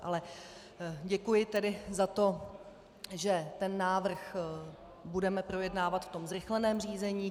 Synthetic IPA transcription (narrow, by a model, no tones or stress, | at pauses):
ʔa̰lɛ | ɟɛkujɪt̪ɛdɪzat̪o̞ | ʒɛt̪ɛnːaːvr̩x | budɛmɛpɾo̞jɛdnaːvat̪ft̪o̞mzɾɪxlɛnɛːmriːzɛɲiː